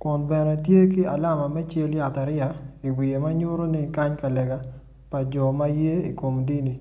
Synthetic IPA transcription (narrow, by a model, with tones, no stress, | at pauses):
kɔ˨nbɛ˨nɛ˨tje˦k̬i˦a̰˨la˦˨ma˨mɛ˦t͡ʃe˦lja˨ta˨ɾɪ˦ja˨i˨wi˨e˨ma˦ɲʊ˦ɾo˦ni˦ka˦ɲka˨lɛ˨ɡa˦ | pa˨d͡ʒɔ˨ma˦je˦i˨ko˨mdi˦ni˨